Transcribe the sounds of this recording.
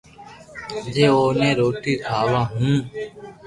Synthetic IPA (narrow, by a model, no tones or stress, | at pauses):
d͡ʒeːoːnẽːɾoːʈ̪iːkʰaːʋãːɦũː